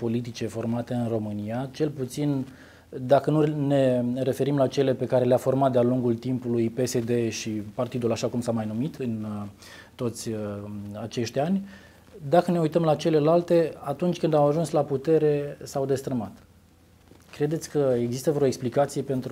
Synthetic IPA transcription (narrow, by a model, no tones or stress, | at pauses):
po̞lit̪̬it͡ʃe̞fo̞rmat̪e̞ɨnro̞mɨniat͡ʃe̞lput̪sin | d̪akənune̞re̞fe̞ɾimlat͡ʃe̞le̞pe̞kaɾe̞leafo̞rmat̪̚d̪ealuŋɡult̪impulujpe̞se̞d̪e̞ʃipart̪id̪ulaʃakumsamajnumit̪ɨn | t̪o̞t̪sʲəat͡ʃe̞ʃt̪ʲanʲ | d̪akəne̞ujt̪əmlat͡ʃe̞le̞lalt̪e̞at̪unt͡ʃʲkɨnd̪awaʒunslaput̪e̞ɾe̞sawd̪e̞st̪ɾəmat̪ | kɾe̞d̪e̞t̪sʲkəeɡzist̪əvɾeoeksplikat̪sije̞pe̞nt̪ɾ